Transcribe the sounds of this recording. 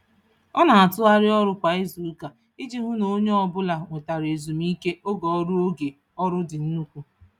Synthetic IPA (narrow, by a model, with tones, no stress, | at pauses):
ɔ˦na˨a˨tʊ˦a˦ɾɪ˦ɔ˦ɾʊ˦kʷa˨e˦zu˨u˦ka˨ | ɪ˦d͡ʒi˦ɦʊ˦no˨˦ɲe˦ɔ˦bʊ˦la˨ŋʷe˨ta˨ɾe˨zu˨mi˦ke˦o˦ɡɔ˨ɔ˦ɾʊ˦o˦ɡe˨ | ɔ˦ɾʊ˦dɪ˨n̩˦nu˦kʷu˦